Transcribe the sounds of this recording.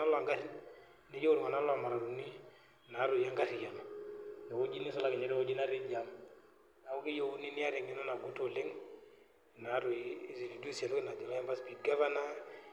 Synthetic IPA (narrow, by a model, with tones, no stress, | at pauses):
a˦la˨ŋɡa˦ɾi˦n | ne˦jo˦ɾu˨ŋa˨na˦la˨ma˨ɾa˨ɾu˨ni˦ | na˨˦ɾʊ˨ja˦ŋɡa˦ɾi˨ja˨mna˨o˦d͡ʒi˦ni˦sɔ˦la˨kɪ˨ɲɛ˨ɾɛ˦o˦d͡ʒi˦na˦ɾi˦d͡ʒa˨m | na˨u˦ki˦jo˦u˦ni˦ni˦a˦ɾe˨ŋɪ˨nɔ˦na˨ɡu˦to˨lɪ˦ŋ˨ | na˨˦ɾo˨˦zi˨ni˨du˦sa˨lkɪ˦na˨d͡ʒɔ˨la˦ɛ˦mba˦spi˨ɡa˦va˦na˦